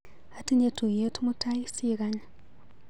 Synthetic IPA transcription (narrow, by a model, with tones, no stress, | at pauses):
a˨ti˦ɲe˦tu˨je˦tʰu˦mu˦tʰa˦i˦si˦ɣa˦ɲa